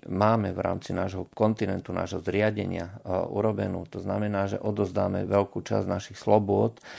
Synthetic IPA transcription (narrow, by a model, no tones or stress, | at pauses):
maːmɛʋɾa̰ːmt͡sinaːʒɦɔkɔnt̪inɛnt̪una̰ːʒɦɔzɾɪaɟɛ̰ɲɪa̰ʔṵɾɔbɛnuːt̪ɔznamɛnaːʒɛ̰ʔɔd̪ɔzd̪aːmɛ̰ʋɛlkuːt͡ʃa̰znaʃixslɔbʊɔt̪